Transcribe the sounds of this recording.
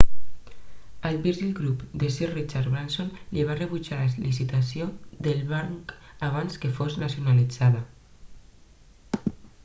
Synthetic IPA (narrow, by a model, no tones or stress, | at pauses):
əlbiɾʒilɡɾupd̪esirit͡ʃaɾβɾansonliβareβut͡ʃaləzlisit̪asiod̪əlˠβaŋkaβ̞anskəfoznasjunalid͡zaðə